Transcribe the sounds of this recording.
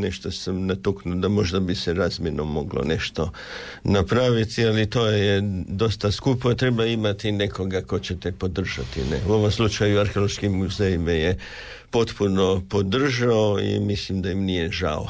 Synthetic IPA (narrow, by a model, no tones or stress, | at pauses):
neʃt̪osamnat̪uknud̪amo̞ʒd̪abiseɾaːzmjenomo̞ɡlo̰ne̞ʃt̪o̞ | napɾaʋit̪ialit̪ojed̪o̞st̪askupot̪ɾe̞baimat̪ine̞ko̞ɡako̞t͡ɕet̪epo̞d̪r̩ʒa̰t̪ḭnḛuo̞ʋomslˠut͡ʃajuaɾxeolˠoʃkimːuzeimaje | po̞t̪puno̞po̞d̪r̩ʒaoḭmislimd̪ajimnijeʒa̰o̰